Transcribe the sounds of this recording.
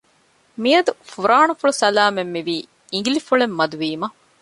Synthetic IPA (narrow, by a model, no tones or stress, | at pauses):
miɐd̪ufuɾaːɳufuɭusɐlaːmemːiʋiː | iŋɡilifuɭemːɐd̪uʋiːmɐ